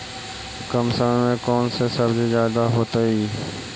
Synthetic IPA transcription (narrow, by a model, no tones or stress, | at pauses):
kəmsənmẽkɔːnsesɐɾd͡ʒezjaːd̪aɦoːt̪ai